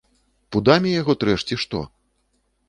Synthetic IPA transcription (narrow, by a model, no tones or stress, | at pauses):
pud̪amʲijaɣɔt̪ɾɛʂt͡sʲiʂt̪ɔ̰